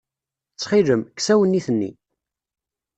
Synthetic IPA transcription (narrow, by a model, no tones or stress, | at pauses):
t͡sːχiləmksæwənːiθənːḭ